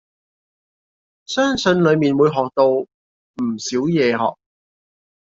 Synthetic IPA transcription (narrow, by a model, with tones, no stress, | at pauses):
sœː˥ŋsɵ˨˧nlɵ˨˧ɥmiː˨˩nwuː˨˧jɦɔː˨k̚t̪o˧w | m̩ː˨˩siː˨˥wjɛː˨˧ɦɔ̰ː˨k̚